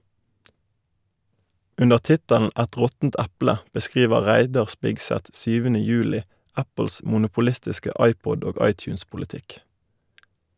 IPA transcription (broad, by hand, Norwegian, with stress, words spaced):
ˈʉnəʁ ˈtɪtəln̩ ˈæt ˈʁɔtn̩t ˈæplə bəˈskʁiːʋə ˈʁæɪdɑʁ ˈspɪɡsɛt ˈsyːʋənə ˈjʉːlɪ ˈæpl̩s mʊnʊpʊˈlɪstɪskə ˈɑɪˌpɔd ˈoː ˈɑɪˌtjʉːnspʊlɪˌtɪk